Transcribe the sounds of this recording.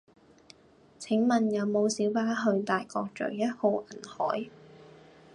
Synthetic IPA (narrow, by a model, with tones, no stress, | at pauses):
t͡sʰɪ˨˥ŋmɐ˨˩njɐ˨˧wmo˨˧wsiː˨˥wpaː˥ɦɵ˧ɥt̪aː˨jkɔː˧k̚t͡ʃɵ̰˨˩ɥjɐ˥t̚ho˨˧wʔɐ˨˩nhɔ̰ː˨˥j